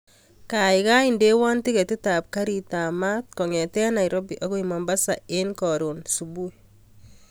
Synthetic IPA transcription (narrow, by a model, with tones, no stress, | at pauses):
ka˨ɪka˦inde˦wa˦nti˦ɣɛ˨ti˦ta˨p̚ka˦ɾita˨ma˦t̚kɔ˨ŋɛ˨tɛ˦na˨iɾɔ˦biʔa˦ɣo˦ima˨mba˦sa˨e˦nkɔ˨ɾo˨nsu˨bu˦j